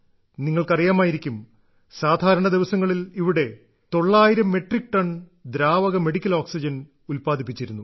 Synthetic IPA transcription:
niŋːɐɭkɐrijaːmaːjiɾikʲːum | saːd̪ʱaːɾɐɳɐd̪iʋɐsɐŋːɐɭiliʋiɽe̞ | t̪o̞ɭːaːjiɾɐmːe̞ʈrik̚ːʈɐɳd̪ɾaːʋɐɣɐme̞ɽikʲːɐloːksid͡ʑɐn | ulpaːd̪ʱipːit͡ɕːiɾunːu

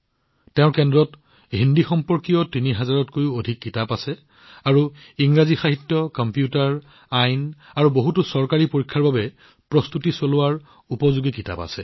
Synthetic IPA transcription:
teʊ̃ɹkɛndɹɔt | ɦindixɔmpɔɹkijɔtiniɦazaɹɔtkojuodʱikːitapasɛ | aɹu | iŋɹazixaɦitːɔkɔmpjutaɹ | ajnaɹuboɦutusɔɹkaɹipoɹikʰːaɹbabɛ | pɹɔstutisolʊwaɹ | upɔzuɡikita̰pa̰sɛ̰

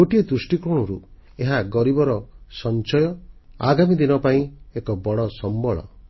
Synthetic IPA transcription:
oʈied̪ɾusʈikɾuɽ̃ɔɾu | eɦaɡɔɾibɔɾɔsɔnt͡ʃɔjɔaɡamid̪inɔpaĩekɔbɔɽɔsɔmbɔɭɔ̰

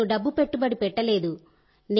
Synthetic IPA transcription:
uɖɐbːupe̞ʈːubɐɽipɛʈːɐle̞ːd̪u | nː

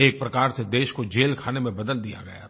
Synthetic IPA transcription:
eːk̚pɾɐkaːɾsed̪eːʃkod͡ʒeːlkʰaːnemẽbɐd̪əld̪ija̰ɡɐ̰ja̰

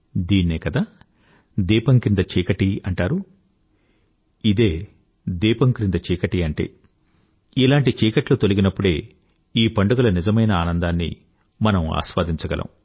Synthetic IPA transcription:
d̪iːnːeːkɐd̪aː | d̪iːpɐŋkind̪ɐt͡ʃiːkɐʈiɐɳʈaːɾu | id̪eː | d̪iːpɐŋkɾind̪ɐt͡ʃiːkɐʈiɐɳʈe̞̰ː | ilaːɳʈit͡ʃiːkɐʈlut̪oliɡinɐpːuɽe̞ː | iːpɐɳɖuɡɐlɐnid͡ʒɐmɐjnɐaːnɐnd̪aːnːḭ | mɐnɐma̰ːsʋaːd̪ʱiɲt͡ʃɐɡɐlʔɐ̰m

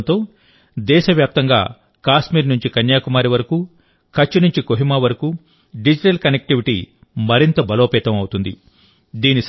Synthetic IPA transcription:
nt̪o̞ː | d̪ɛːʃɐʋjaːp̚t̪ɐŋɡa̰ː | kaːʃmiːɾnuɲt͡ʃikɐnjaːkumaːɾiʋɐɾɐku | kʰɐt͡ʃːunuɲt͡ʃikoɦimaːʋɐɾɐku | ɖid͡ʒiʈɐlkɐnek̚ʈiʋiʈḭ | mɐɾint̪ɐbɐlo̞ːpɛːt̪ɐmɐwut̪und̪ḭ | d̪iːnis

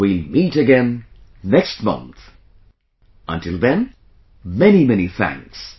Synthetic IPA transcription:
wilmiɾɨɡɛ̃n | nɛkst̚mʌ̰̃nθ | ʔə̰̃ntʰɪlˠðɨ̃n | mɛnimɛñifæ̰̃ŋs

